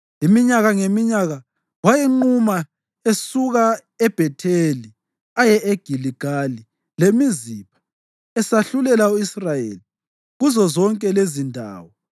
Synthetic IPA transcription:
imiɲaɣaŋemiɲaɣa | wajɛŋ͡ǃuma | esuɣa | ɛb̥ʱɛtʰeli | ajɛʔeɡ̥ʱiliɡ̥ʱali | lemizipʰḁ | ɛsaɬulɛlauisrajḛli | ɣuzɔzɔŋkʼɛlezindʱa̰ːwɔ

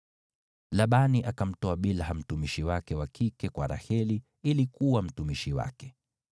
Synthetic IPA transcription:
laɓaniʔakam̩tɔaɓilɦam̩tumiʃiwakɛwakʰikɛkwaɾa̰hɛli | ilikuwam̩tumiʃiwa̰kɛ̥

